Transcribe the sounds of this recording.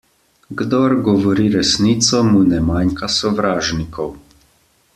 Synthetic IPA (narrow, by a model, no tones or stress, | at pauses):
ɡd̪ɔɾɡɔʋɔɾiɾɛsnit̪sɔmunɛmaŋkasɔʋɾaːʒnikɔw